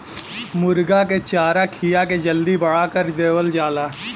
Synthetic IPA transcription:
mʊɾɡaket͡ʃaːɾakʰijaked͡ʒəld̪ibɐɽakəɾd̪eːwəld͡ʒaːlaː

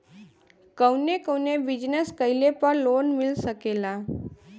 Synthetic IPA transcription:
kəwnekəwnebid͡ʒnəskəjlepəɾloːnmilsəkela

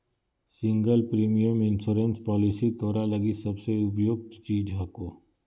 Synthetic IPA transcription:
sɪ̃ŋɡəlpɾiːmijəmɪ̃nsuːɾẽnspɔːlɪsit̪ɔːɾalɐɡisɐbseʊpjoːɡ̚t̪t͡ʃiːd͡ʒɦaːkoː

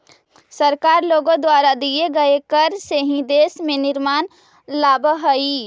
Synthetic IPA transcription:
səɾkaːɾloːɡõd̪waːɾad̪ieɡəekəɾseɦĩd̪eːsmẽnɪɾmaːn | laːbɦəi

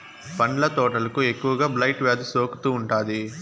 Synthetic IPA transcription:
pɐɳɖlɐt̪ɔːʈɐlɐkue̞kːuʋɐɡaːblɐjʈʋaːd̪usoːku̥t̪uːɳʈaːd̪i

